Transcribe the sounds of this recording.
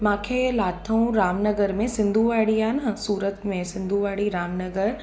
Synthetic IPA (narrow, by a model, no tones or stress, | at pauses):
mãːkʰeːlaːt̪ʰəũɾaːmnɐɡəɾmẽsɪ̃nd̪ʱuʋaːɽiaːnɐsuːɾət̪mẽsɪ̃nd̪ʱuʋaːɽiɾaːmnɐɡəɾ